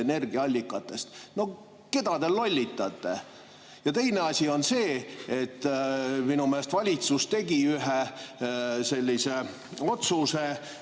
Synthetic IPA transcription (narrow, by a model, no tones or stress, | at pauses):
ene̞rɡ̥iɑɑlʲːikːˑɑt̪ːˑe̞st̪no̞ | ke̞d̪̥ɑd̪elːo̞lʲːit̪ˑːɑt̪ːˑe̞̰ | jɑt̪e̞jne̞ɑsʲio̞nse̞ːet̪ːminumeest̪vɑlʲit̪sust̪e̞ɡ̥iyɦe | se̞lʲːise̞ | o̞t̪suse̞